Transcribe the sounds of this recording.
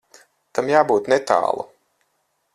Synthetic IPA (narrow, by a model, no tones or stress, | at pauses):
t̪amjaːbuːt̪nɛt̪a̰ːlˠṵ